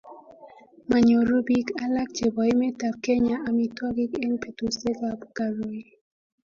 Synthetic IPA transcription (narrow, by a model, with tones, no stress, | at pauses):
ma˨ɲo˨ɾo˦bi˦ka˦la˦k̚d͡ʒe˨bɔ˨i˦mɛ˦ta˨p̚kɛ˦ɲa˦ʔa˨mi˦twɔ˦ɡi˦ke˦npe˨to˨se˦ka˨bka˨ɾo˨i˦